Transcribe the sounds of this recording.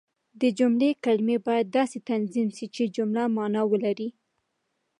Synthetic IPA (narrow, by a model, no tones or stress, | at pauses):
d̪əd͡ʒʊmlekalmebɑjad̪̚ːɑset̪anzimʃit͡ʃed͡ʒʊmlamɑnɑwəlaɾi